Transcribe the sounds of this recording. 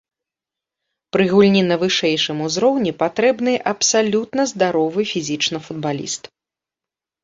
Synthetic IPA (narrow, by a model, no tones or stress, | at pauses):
pɾɨɣulʲnʲinɐvɨʂɛjʂɨmuzɾɔwnʲipat̪ɾɛbnɨjʔɐpsalʲut̪nɐzd̪aɾɔvɨfʲizʲit͡ʂnɐfud̪̚balʲḭst̪